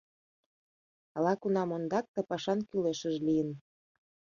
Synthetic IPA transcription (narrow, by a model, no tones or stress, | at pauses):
ɑlɑkunɑmond̪ɑk̚t̪ɤ̆pɑʃɑnkyleʃəʒlijən